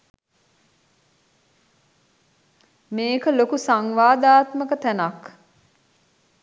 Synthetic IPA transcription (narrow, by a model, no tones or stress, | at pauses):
meːkəlokusaŋʋaːd̪aːt̪məkət̪ænak